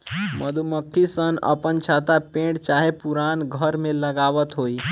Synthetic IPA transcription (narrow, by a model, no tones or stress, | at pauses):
məd̪ʱuməkʰːisənə̰pənt͡ʃʰat̪apẽːɖt͡ʃaːɦepuɾaːnɡʱəɾmẽləɡaːʋət̪ɦoi